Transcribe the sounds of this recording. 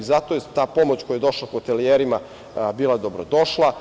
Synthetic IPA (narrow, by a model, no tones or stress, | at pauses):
zat̪ojet̪aːpo̞mo̞t͡ɕkoujed̪o̞ʃlaxot̪elijeɾima | biːlˠad̪o̞bɾod̪o̞ʃlˠa